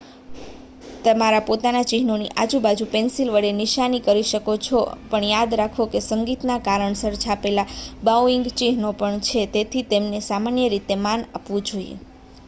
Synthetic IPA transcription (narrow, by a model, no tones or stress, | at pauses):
t̪əmaɾapot̪anat͡ʃiɦnonḭʔad͡ʒubad͡ʒũpensilʋəɽenɪʃanikəɾiʃəkot͡ʃʰopəɳjad̪ɾakʰokesəŋɡit̪nakaɾəɳsəɾt͡ʃʰapelabawɪŋɡt͡ʃiɦnopəɳt͡ʃʰet̪et̪ʰit̪emnesamanjəɾit̪emanapʋũd͡ʒoijḛ